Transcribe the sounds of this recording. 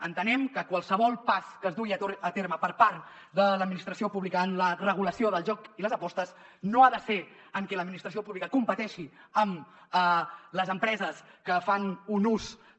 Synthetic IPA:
ənt̪ənɛmkəkwalˠsəβ̞ɔlˠpaskəzd̪uiəət̪eɾməpəɾpaɾt̪ | d̪ələd̪minist̪ɾəsiopuβlikəːnlərəɣ̞uləsioðəlˠʒɔkiləzəpɔst̪əznoaðəse | əŋkɛləd̪minist̪ɾəsiopuβlikəkumpət̪ɛʃiəmələzəmpɾɛzəskəfanunus

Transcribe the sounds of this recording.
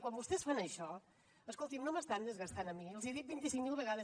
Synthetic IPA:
kwɔmbust̪ɛsfanəʃɔ | əskɔlˠt̪imnoməst̪and̪ezɣəst̪anəmiəlˠziðit̪̚bint̪isiŋmilˠβəɣaðə

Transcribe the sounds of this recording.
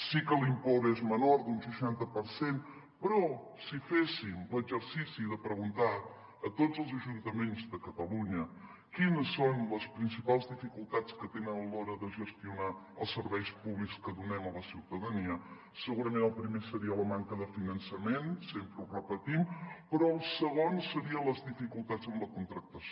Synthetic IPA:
sikəlimpoɾezmənoɾd̪unsəʃant̪əpəɾsen | pɾɔ | sifesimləzəɾsisiðəpɾəɣunt̪a | ət̪od͡zəlˠzəʒunt̪əmenzðəkət̪əluɲə | kinəsːonləspɾinsipalˠzðifikulˠt̪at͡skət̪enənəlɔɾəðəʒəst̪iuna | əlˠsːəɾβɛjspuβlikskəðunɛmələsiwt̪əðəniə | səɣuɾəmẽnəlˠpɾimesəɾiələmaŋkəðəfinənsəmensempɾəurəpət̪impɾɔəlˠsəɣonsəɾiələzðifikulˠt̪azəmləkunt̪ɾək̚t̪əso

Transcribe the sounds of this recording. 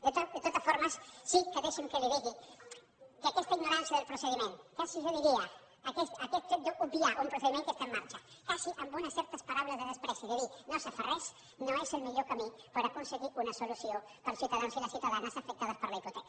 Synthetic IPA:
d̪et̪od̪et̪ot̪ɐsfoɾmasːikeðeʃeŋkeliðiɣi | kakɛst̪aiɣnoɾansjɐðelpɾuseðimẽnt̪kasiʒoðiɾiɐː | kɛst̪akɛt̪̚ʒet̪̚d̪oʔubiaʔumpɾuseðimẽŋkest̪aemːaɾt͡ʃḁkasiʔambunɐsɛɾt̪ɐspaɾaβulɐzðeðespɾɛsaiðeðinosefarɛs | noeselmiʎokamipaɾakonseɣiunɐsolusijo | paɾlsjut̪aðansilasjiut̪aðanasafek̚t̪aðɐspəɾlaipot̪ek

